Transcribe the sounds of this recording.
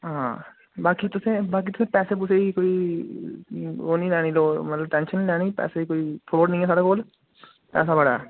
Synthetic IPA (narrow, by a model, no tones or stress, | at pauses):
ɦãː | baːkit̪ʊsẽbaːk̬it̪ʊsẽpɛːsep̬uːseikoːi | oːnĩlɛːɽ̃iloːmɐt̪ləb̚ʈɛ̃ːnʃənlɛːɽipɛ̰ːseikoːifʰɾoːɽnɐ̃ɦĩːɛːs̬aːɽakoːl | pɛ̰ːsabɐɽaɦɛː